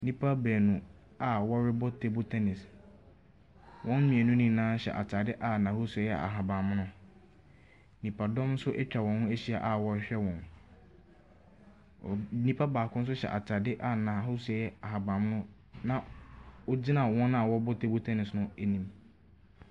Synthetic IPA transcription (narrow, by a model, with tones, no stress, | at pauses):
nĩ˦pʰa˦bɛː˨nũ˨ | a˨wɔ˦ɾɪ˦bɔ˦tʰe˨bo˦tʰɛ˦nɪ˨s | wɔ̃˦n˦mĩ˨ɛ˨nũ˦nĩ˦nãː˦ɕɛ̰˨ʔa̰˨t͡ɕʰa˨dɪ˦ʔa˨nã˨ho˦su˨ɛ˨jɛ˨a̰˨ɦa˨bã˨m˦nʊ̃˦ | nĩ˨pʰa˨dɔ̃˦mn̩˦sʊ˦ʔɛ˦t͡ɕᶣa˨wɔ̃˨nhʊ̃˦e˦ɕi˦a˨ʔa˨wɔ˦ɕᶣɛ˦wɔ̃˨n˨ | nĩ˦pʰa˦baː˨kʰʊ̃˦n̩˦s̬ʊ˦ɕɛ̰˨ʔa˨t͡ɕʰa˨dɪ˦ʔa˨nã˨ɦʊ˦sɛ˨jɛ˦a˨ɦa˨bã˨m˦nʊ̃˦ | nã˨o˦d͡ʑi˦nã˨wɔ̃˦na˨wɔ˦bɔ˦tʰe˦bo˦tʰɛ˦nɪ˨snʊ̃˦æ˦nĩ˨m